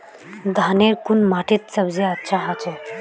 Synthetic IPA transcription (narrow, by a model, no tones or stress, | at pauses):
ɡʱaneɾkunmaʈet̪̚səbd͡zeətːɕʰaɦat͡se